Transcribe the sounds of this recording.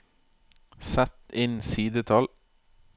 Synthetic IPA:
sæt̪ɪnsiːd̪ət̪ʰɑl

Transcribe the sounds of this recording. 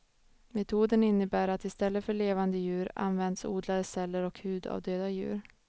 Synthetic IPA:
mɛt̪ʰuːd̪ənɪnːəbæːɾat̪ɪst̪ɛlːəfœɭeːvand̪əjʉ̟ːɾa̰nvɛnd̪sṵːd̪lad̪əsɛlːəɾɔkhʉ̟ːd̪a̰vd̪øːd̪ajʉ̟̰ːɾ

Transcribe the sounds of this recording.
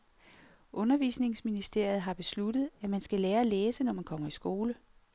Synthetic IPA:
ʔɔ̽nɐʋiːsne̝ŋsminisd̥e̝ɐ̰jð̞̩ˠɦɑ̈b̥e̝slud̥ð̞̩ˠæmænsɡ̥æleːɐæleːsənɒmænkʰɒ̽m̰ɐisɡ̥o̝ːlə

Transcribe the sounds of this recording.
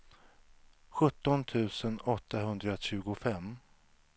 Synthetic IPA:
ɧɵt̪ːɔnt̪ʰʉ̟ːsənɔt̪ːaɦɵnd̪ɾaɕʉ̟ːɡʊfɛmː

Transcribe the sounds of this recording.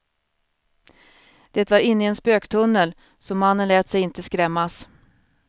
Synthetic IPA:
d̪̥ɛːt̪vaɾɪnːɪɛnspøːkt̪ʰɵnːəl | sɔmanːənlɛːt̪sɛjɪnt̪əskɾɛmːas

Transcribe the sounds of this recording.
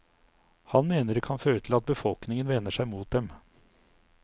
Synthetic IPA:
hɑnmeːnəɾkʰɑnføːɾət̪ʰɪlɑt̪̚bəfɔlknɪŋənʋɛnːəʂæɪmuːt̪̚d̪ɛm

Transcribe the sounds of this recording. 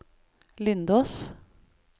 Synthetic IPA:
lɪnd̪oːs

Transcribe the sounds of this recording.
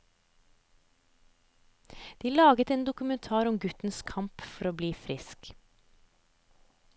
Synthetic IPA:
d̪̥iːlɑːɡət̪eːnd̪ʊkʉmɛnt̪ʰɑːɾɔmɡʉt̪n̩skʰɑmpfɔɾoːbliːfɾɪsk

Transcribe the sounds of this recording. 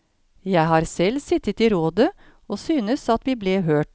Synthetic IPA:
jæɪɦɑːɾsɛlsɪt̪ət̪iːɾoːd̪ə | oːsyːnəsɑt̪ʋiːbleːɦøːʈ

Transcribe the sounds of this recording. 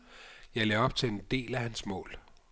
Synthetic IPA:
jɑ̈ɪleɒ̽b̥̚t͡sʰe̝end̥e̝̰ːlæhænsmɔ̰̽ːl

